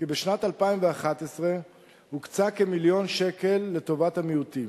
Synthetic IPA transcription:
kibeʃnatalpaimveaχatesʁe̞ | hukt͡sakemiljo̞nʃe̞ke̞lːe̞to̞vathamiuti

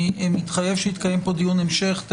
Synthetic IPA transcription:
emit̪χajevʃehit̪̚kaje̞mpo̞d̪ijunemʃeχt̪

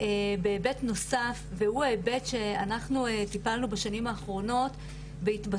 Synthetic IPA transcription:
ebeːbe̞tno̞safvehuebe̞tʃe̞anaχnuetipalnubaʃanimaːχʁo̞no̞t | beitba

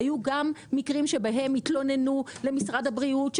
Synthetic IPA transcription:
juɡamːikʁimʃe̞baɦe̞mit̪lo̞ne̞nule̞misʁadhabʁiutʃ

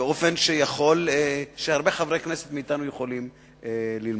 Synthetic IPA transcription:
eo̞fe̞nʃejaχo̞leʃehaʁbeχavʁekneset̪miit̪anujeχo̞lim | elilm

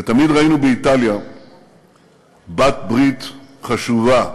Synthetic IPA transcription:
vet̪amid̪ʁainubeit̪alja | bat̪̚bʁit̪χaʃuva

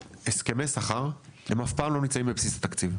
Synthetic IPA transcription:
eske̞mejsaχaʁhemafpaːmlo̞nit͡saĩmbepsisat̪akt͡siv

